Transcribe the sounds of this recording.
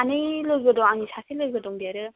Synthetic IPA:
anɯjlɯɾɡɯdɔŋanisʰasilɯjɡɯdɔŋdeɾɯ

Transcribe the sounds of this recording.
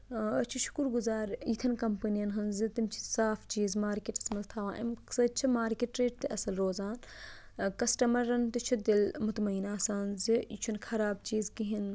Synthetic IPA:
ɐt͡ʃʰiʃu̥kuɾɡuzaːɾit̪ʰɐnkɐmpɐnijɐnɦɐnzit̪imt͡ʃʰi̥saːft͡ʃiːzmaːɾkeːʈɐ̥smɐlt̪ʰaːʋã̰ːʔɐ̰msɐt͡ʃʰimaːɾkeʈːɾeːʈ̚t̪iʔɐsɐlɾoːzaːn | kɐsʈɐmɐɾːɐnt̪it͡ʃʰud̪ilmut̪mɐiːnaːsaːnziḭt͡ʃʰunkʰɐɾaːb̚t͡ʃiːzkiɦin

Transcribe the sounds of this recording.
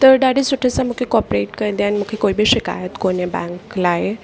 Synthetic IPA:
t̪əɾɖaɽisuʈʰesamukʰekɔpɾeʈkəɾd̪janimukʰekojbiːɕika̰jət̪konebɛ̰̃ŋklaɦe

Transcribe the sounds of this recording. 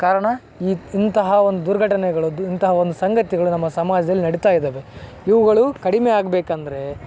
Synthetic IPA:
kaːɾɐɳɐ | iːint̪ɐɦɐo̞nd̪ud̪uɾɡʱɐʈɐnɛɡɐɭuint̪ɐɦɐo̞nd̪usɐŋɡɐt̪iɡɐɭunɐmːɐsɐmaːd͡ʒɐd̪ɐlːinɐɽit̪aːjid̪eːʋe | iʋɐɡɐɭukɐɽimeaːɡbeːkɐnd̪ɐɾe̞

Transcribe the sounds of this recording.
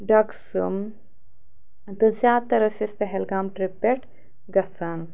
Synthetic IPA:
ɖɐksɨm | t̪ɨzjaːd̪̚t̪ɐɾɐsispɛɦɛlɡaːmʈɾipːeʈ | ɡɐsan

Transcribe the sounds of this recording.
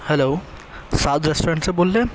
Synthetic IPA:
hɛloː | saːd̪ɾesʈoɾẽɳʈseboːlːẽ

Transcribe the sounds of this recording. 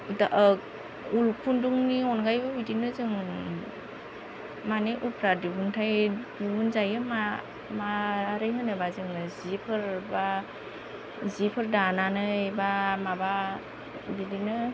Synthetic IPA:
idaʔək̚ | ulkʰunduŋniɔnɡajbɯbidinɯzɯŋ | maneʔupʰɾadubuntʰajdubunzajɯma | maɾɯjɦɯnɯbazɯŋɯzipʰɯɾba | zipʰɯɾdananɯbamaba | bidinɯ

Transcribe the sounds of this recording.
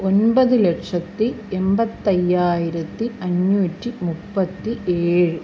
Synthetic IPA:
onbɐðɯlɛkʂɐt̪ːi | embɐt̪ːɐjːaːjɪɾɐt̪ːiɐɲːuːtːimupːɐt̪ːieːɻɨ

